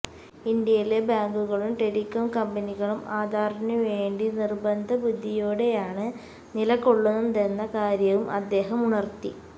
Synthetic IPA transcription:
ind̪jɐjile̞baːŋɡuɣɐɭumʈeɽikːonkɐmbɐniɣɐɭumʔaːd̪ʱaːɾɐnɐʋe̞ːɳɖinirbɐnd̪ʱɐbud̪ʱːijoːɽe̞jaːɳɨ | nilɐkːoɭːunund̪enːɐkaːɾjɐʋumʔɐd̪ːe̞ːɦɐmuɳɐrt̪i

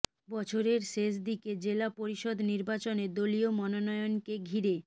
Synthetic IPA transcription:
bɔt͡ɕʰoɾeɾʃeʃd̪iked͡ʑelapoɾiʃod̪niɾbat͡ɕoned̪oliomɔnonɔjonkeɡʱiɾe

